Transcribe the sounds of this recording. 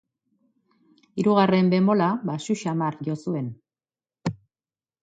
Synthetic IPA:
iɾuɣare̞mbe̞mo̞laβasuʃamaɾʝo̞sue̞n

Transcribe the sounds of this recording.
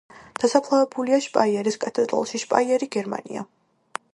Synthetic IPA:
d̪̥asapʰlˠavɛbuliaʃpʼaiɛɾiskʼat̪ʼɛd̪ɾɔ̰lˠʃiʃpʼa̰iɛɾiɡɛɾma̰nḭa̰

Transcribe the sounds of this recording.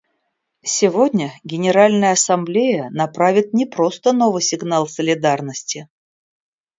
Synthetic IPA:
sʲɪvodʲnʲəɡʲɪnʲɪɾalʲnəjəɐsɐmblʲejənɐpɾavʲɪt̪̚nʲɪpɾo̞st̪ənovɨjsʲɪɡnalˠsəlʲɪd̪arnəsʲtʲɪ

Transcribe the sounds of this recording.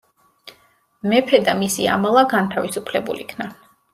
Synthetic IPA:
mɛpʰɛd̪amisia̰mɛlˠaɡant̪ʰavisupʰlɛbṵlḭkʰna

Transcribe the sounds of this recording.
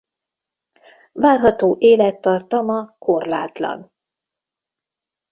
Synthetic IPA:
vaːrɦɒt̪oːʔeːlɛt̪ːɒrt̪ɒmɒko̞rla̰ːt̪lɒ̰n

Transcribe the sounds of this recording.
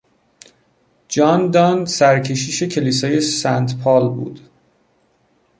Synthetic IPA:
d͡ʒɒːnd̪ɒnsæɾcʰe̞ʃiːʃe̞cʰe̞liːsɒːje̞sænt̪pʰɒːlbṵːd̪̥

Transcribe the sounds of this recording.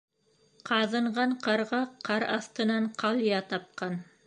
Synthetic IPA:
qɑðɤ̆ɴʁɑɴqɑɾʁɑqʰɑɾɑθt̪ɤ̆nɑɴqʰɑlˠijɑt̪ɑp̚qɑn

